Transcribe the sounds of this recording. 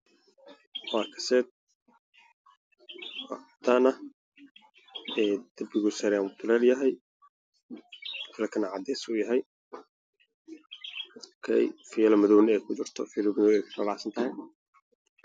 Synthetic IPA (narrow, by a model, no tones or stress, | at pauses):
waːkʰɐ̥sɛːd̪̚ | t̪ʰanɐ | ɛːd̪̥ɐbɪɣʊsɛɾmt̪ʰʊlɛːljɐɦɛj | fʰɪlɐkʰɐnɐʕɑd̪ɛsʊjɐɦɛj | kʰɛ̰jfilɐmɐðɔwnɛjkʰʊt͡ʃɪrt̪ʰɔfiːlbɪnɔːɛjkʰʊ̥kɔlɑsɐnt̪ʰɐɦɛj